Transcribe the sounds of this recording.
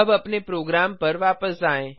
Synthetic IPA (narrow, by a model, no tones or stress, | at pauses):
əbɐpnepɾoːɡɾaːmpəɾʋaːpəsd͡ʒaːẽ